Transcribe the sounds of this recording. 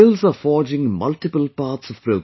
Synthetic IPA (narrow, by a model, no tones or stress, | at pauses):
ɪlzəfɔːd͡ʒɪ̃ŋmʌ̰lʈɪpəlpɑːʈsɔv̥pɾoːɡ